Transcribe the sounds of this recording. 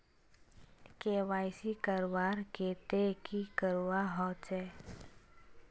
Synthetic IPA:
keːʋaːjsikəɾwaːɾkeːt̪ekikəɾuwaɦɔt͡ʃɛː

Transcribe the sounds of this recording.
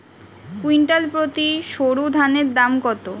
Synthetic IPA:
kwiɳʈalpɾot̪iʃoɾud̪ʱaneɾd̪amɡɔt̪o

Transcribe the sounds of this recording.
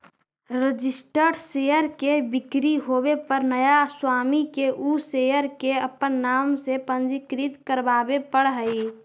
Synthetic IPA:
ɾəd͡ʒɪsʈəɖseːjəɾkebɪkɾiɦoːbepəɾnəjaswaːmikeʔusejəɾkeəpənːaːmsepə̃nd͡ʒikɾit̪kəɾbaːbepəɽɦəi

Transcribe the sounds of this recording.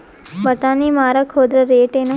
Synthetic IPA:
bəʈanimaɾakʰoːd̪ɾəɾeːʈenũ

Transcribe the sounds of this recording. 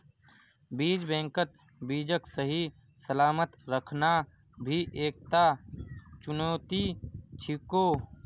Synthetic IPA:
biːd͡ʒbẽːŋkət̪ | biːd͡ʒəksəɦi | səlaːmət̪ɾəkʰna | bʱiʔeːk̚t̪a | t͡ʃʊnoːt̪it͡ʃʰikoː

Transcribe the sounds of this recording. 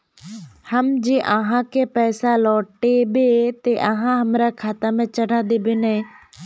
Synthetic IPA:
hɐmd͡ʑeːʔəɦãkʰepɛːsalɔːʈebet̪eʔɐɦãɦɐmɾakʰaːt̪əmẽt͡ʃɐɽ̤ʱaːd̪ebɪne

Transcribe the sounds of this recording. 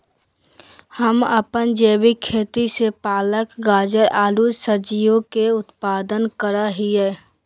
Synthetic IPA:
həməpənd͡ʒeːbikʰːeːt̪isepaːləkɡaːd͡ʒəɾaːlud͡ʒsəd͡ʒijokeʊt̪paːd̪ənkəɾaɦiɛː

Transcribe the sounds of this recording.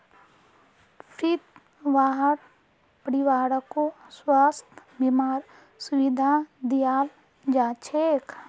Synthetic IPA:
pʰit̪ | ʋaːɦəɾ | pəɽiʋaːɽəkoswaːst̪ʰbimaːɾ | suʋid̪ʱad̪ijaːl | d͡ʒaːt͡ʃʰeːk

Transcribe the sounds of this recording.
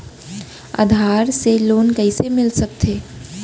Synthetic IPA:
a̰ːd̪ʱaːɾseloːnkəɪsemɪlsək̚t̪ʰeː

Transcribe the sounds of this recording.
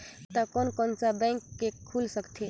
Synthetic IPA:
t̪ɔkɔnkɔnsabɛ̃ŋkːekʰulsəkt̪ʰe

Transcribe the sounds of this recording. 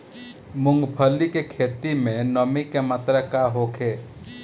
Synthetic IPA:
mʊŋɡpʰəlːikekʰeːt̪imẽnəmikemət̪ɾəkaɦokʰeː

